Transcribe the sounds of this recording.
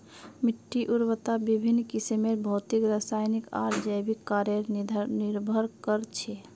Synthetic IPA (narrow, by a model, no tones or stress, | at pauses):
miʈːiʔuɾwət̪abibʱinːkisemebʱɔt̪ikɾəsajnika̰ɾd͡ʒəjbikːaɾjəɾʱniɾbʱəɾkəɾt͡ʃʰe